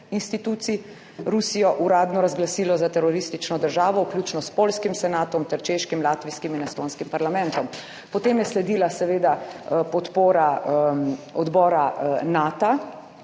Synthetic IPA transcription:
inst̪it̪uːt̪si | ɾusijɔʔuɾaːd̪nɔɾazɡlasiːlɔzat̪ɛɾɔɾist̪it͡ʃnɔd̪əɾʒaːʋɔwklʲjut͡ʃnɔspolskimsɛnaːt̪ɔmt̪ɛɾt͡ʃeʃkimlaːt̪ʋiskiminɛst̪oːnskimpaɾlamɛ̃nt̪ɔm | pɔt̪eːmjɛslɛd̪iːlasɛʋeːd̪apɔt̪poːɾa | ɔd̪bɔːɾanat̪a

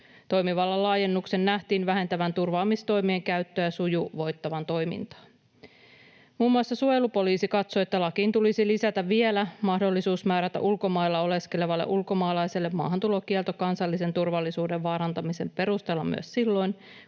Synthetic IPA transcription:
t̪o̞jmiʋɑlːɑlɑːje̞nːukse̞nːæht̪iːnʋæɦe̞nt̪æʋænt̪urʋɑːmist̪o̞jmieŋkæɥt̪ːøjæsujuʋo̞jt̪ːɑʋɑnt̪o̞jmḭnt̪ɑ̥ːn | muːmːuɑsːɑsuojelupo̞liːsikɑt̪so̞et̪ːælɑkiːnt̪ulisilisæt̪æʋie̞læmɑhdo̞lːisuːsmæːɾæt̪æ̰ʔulko̞mɑilːɑo̞le̞ske̞le̞ʋɑlːḛʔulko̞mɑːlɑjse̞lːe̞mmɑ̰ːɦɑnt̪ulo̞kielt̪okɑnsɑlːise̞nt̪urʋɑlːisuːde̞ʋʋɑːɾɑnt̪ɑmise̞mpe̞ɾust̪eːlːɑmy̰øssilːo̞jn

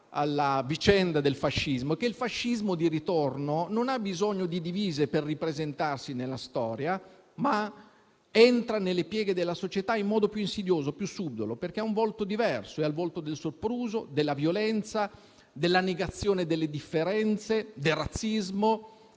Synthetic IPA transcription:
a̰lːavit͡ʃɛnd̪ad̪elfaʃːizmokeilfaʃːizmod̪iɾit̪ornononabːizɔɲːod̪id̪iviːzeperːipɾezent̪arsinelːast̪ɔːɾja | ma | ɛnt̪ɾanelːepjɛːɡed̪elːasot͡ʃet̪aimːɔːd̪opjuinsid̪joːzopjusːud̪ːoloperkeauɱvɔlt̪od̪ivɛrsoɛalvɔlt̪od̪elsorpɾuːzod̪elːavjolɛnt̪sa | d̪elːaneɡat̪sːjoːned̪elːed̪ifːeɾɛnt̪sed̪elrːat̪sːizmo

